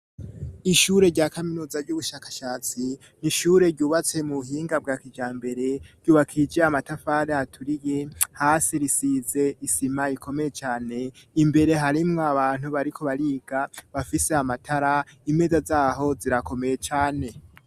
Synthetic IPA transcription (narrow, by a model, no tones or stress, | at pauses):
iʃuɾe̞ɾɟaːkaminuːzaɾɟuβuʃaːkḁʃaːt͡si | niʃuːɾe̞ɾɟuːβat͡se̞muβuɦiːŋɡab̚ɡaːkid͡ʒaːmbe̞ɾe̞ɾɟuːβakʰid͡ʒeamatafaːɾeatʰuɾijehaːsiɾisiːze̞isimaiko̞me̞je̞t͡ʃaːne̞ | imbe̞ɾe̞ɦaɾimŋoaβaːn̥huβaɾikʰo̞βaɾiːɡaβafise̞amatʰaɾaime̞zazaːɦo̞ziɾako̞me̞je̞t͡ʃaːne̞